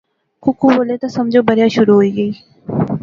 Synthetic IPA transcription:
kʊkuboːlet̪ãsɐmd͡ʒoːbəɾjaʃʊɾuɦoiːɡəiː

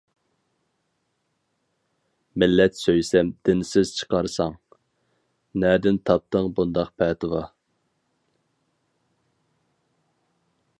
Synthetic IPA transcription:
mɪlːɛt̪søjsɛmd̪̥ɪnɪsɪz̥t͡ʃʰə̥qɑɾsɑŋ | nɛːd̪ɪnt̪ʰɑp̚t̪əŋbund̪ɑqpʰɛːt̪ʰɨwɑ

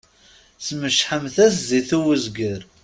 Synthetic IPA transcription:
sməʃħəmθæs̬ziθuwəzɡəɾ

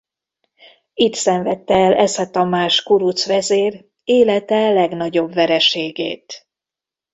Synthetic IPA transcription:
it̪sɛɱvɛt̪ːɛɛlɛsɛt̪ɒmaːʃkuɾut̪sʋɛzeːr | eːlɛt̪ɛlɛɡn̪ɒɟo̞bvɛɾɛʃeːɡḛːt̪

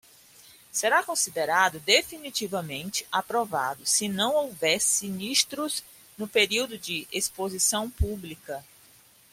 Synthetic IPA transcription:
seɾakõsid̪eɾad̪ʊd̪efinit͡ʃivɐmẽnt͡ʃɪ̥apɾova̰d̪ʊsɪnɐ̃w̃owvɛɾsiniʃt̪ɾʊz | nʊpeɾiwd̪ʊd͡ʒɪʔespozisɐ̃w̃publikɐ

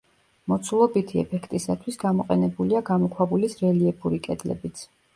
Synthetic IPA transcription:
mɔt̪sʰulˠɔbit̪ʰiɛ̰pʰɛkʰt̪ʼisat̪ʰwisɡamɔqʼɛnɛbuliaɡamɔkʰwabulisɾɛliɛbuɾikʼɛd̪lɛ̰bit̪sʰ

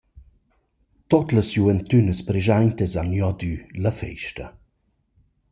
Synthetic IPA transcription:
t̪ot̪ləsjuvɛnt̪ynəspɾeʒaɲt̪əzanjɔd̪yləfɛ̰jʃtə̰

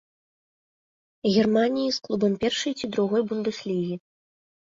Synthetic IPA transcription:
ɣʲɛrmanʲijisklˠubɐmpʲɛrʂɐjt͡sʲid̪ɾuɣɔjbund̪ɨslʲiɣʲi

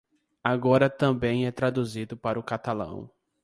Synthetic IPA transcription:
aɡɔɾɐt̪ɐ̃bẽj̃ɛt̪ɾad̪uzid̪ʊpaɾʊkat̪alɐ̰̃w̃

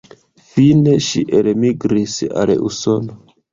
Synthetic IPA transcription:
fine̞ʃḭʔelmiɡɾisa̰lṵso̞no

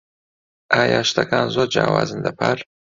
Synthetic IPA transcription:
aːjaʃt̪ʰɐkaːnzod͡ʒaːwa̰ːzɨnd̪ɐpʰaɾ

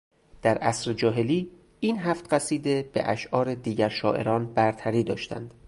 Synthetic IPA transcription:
d̪̥æɾʔæsɾed͡ʒɒːɦe̞liː | iːnɦæːft̪ɢæsiːd̪e̞b̥ḛʔæʃʔɒːɾed̪iːɟæɾʃɒːʔe̞̰ɾɒːnbæɾt̪ʰæɾiːd̪ɒːʃt̪æ̰nd̪̥

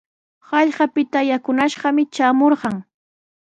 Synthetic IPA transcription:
hɑʎɢɑpɪt̪ajakʊnaʃɢɑmɪt͡ʃaːmoɾɢɑŋ

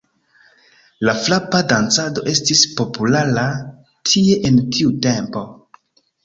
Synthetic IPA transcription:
laflapadant͡sado̞ʔe̞stispo̞pulaɾa | tʰie̞ʔentʰiute̞mpo̞

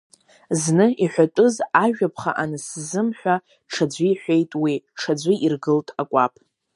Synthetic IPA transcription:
znɨiħʷᶣatʼʊzaʒᶣapʰχa̰ʔanɨszɨmħᶣʷa | ʈ͡ʂʰad͡zʷiħᶣʷejtʼwiʈ͡ʂʰad͡zʷiʔirɡɨltʼakʷʼapʼ

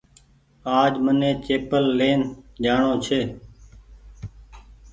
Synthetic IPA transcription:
aːd͡ʒmənẽːt͡ʃeːpəlːeːnd͡ʒaːɳõːt͡ʃʰeː

